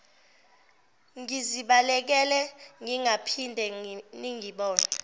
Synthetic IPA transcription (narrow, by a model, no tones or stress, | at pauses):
ŋiziɓalɛk̬ɛlɛŋiŋapʰindʱɛniŋiɓɔːna